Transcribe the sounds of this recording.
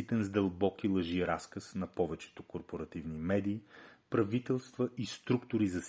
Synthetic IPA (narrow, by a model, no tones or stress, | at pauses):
it̪ɛnzd̪ɐlˠbɔkilˠɐʒiɾaskəsnɐpɔvɛt͡ʃɛ̥t̪okoɾpoɾɐt̪ivnimɛd̪iːpɾɐvit̪ɛlˠst̪vəʔist̪ɾukt̪ʊɾizɐs